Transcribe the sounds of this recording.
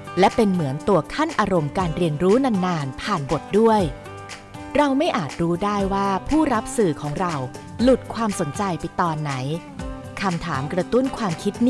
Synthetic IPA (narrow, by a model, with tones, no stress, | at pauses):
lɛ˦˥pe˧nmɯ˩˦ənt̪u˧ɐkʰa˥˩nʔaː˧ɾo˧mkaː˧nɾi˧ənɾuː˦˥na˧nːaː˧npʰaː˨˩nbo˨˩t̪̚du˥˩əj | ɾa˧wma˥˩jʔaː˨˩t̪̚ɾuː˦˥daː˥˩jwaː˥˩pʰuː˥˩ɾa˦˥p̚sɯː˨˩kʰɔː˩˦ŋɾa˧w | lu˨˩t̪̚kʰwaː˧mso˩˦nt͡ɕa˧jpa˧jt̪ɔː˧nːa˩˦j | kʰa˧mt̪ʰaː˩˦mkɾa˧t̪u˥˩nkʰwaː˧mkʰi˦˥t̪̚nː˥